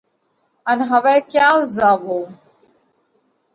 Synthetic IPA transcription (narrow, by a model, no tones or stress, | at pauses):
ɐnɦɐʋɛːkjaːlzaːboː